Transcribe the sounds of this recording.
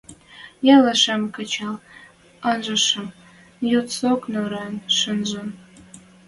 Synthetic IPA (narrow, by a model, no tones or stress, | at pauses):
jɑlɑʃɑmkət͡ɕɑl | ɑnʒə̆ʃɤm | jot̪soknoɾɑnʃənʒən